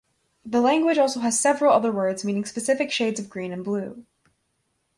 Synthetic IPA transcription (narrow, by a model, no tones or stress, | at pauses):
ðəlæ̃ŋɡwɨd͡ʒɔlˠsoʊɨz̥sɛvɹl̩ˠʌðə˞wɜ˞dzmĩnɪ̃ŋspɨsɪfɨkʃeɪdzʌvɡɹĩnɨ̃nblʉ